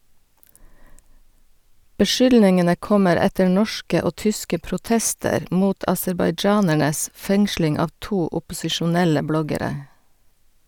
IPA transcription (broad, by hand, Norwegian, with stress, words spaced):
bəˈʃʏlnɪŋənə ˈkɔməɾ ˈɛtəɾ ˈnɔʃkə ˈoː ˈtʏskə pɾʊˈtɛstəɾ ˈmuːt ɑsɛɾbɑɪˈd͡ʒɑːnæɳəs ˈfɛŋslɪŋ ˈɑːʋ ˈtuː ʊpʊsɪʃʊˈnɛlə ˈblɔɡəˌɾeː